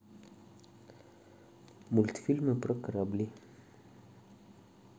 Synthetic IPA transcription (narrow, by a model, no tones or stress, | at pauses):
mult̪filməpɾəkɾabli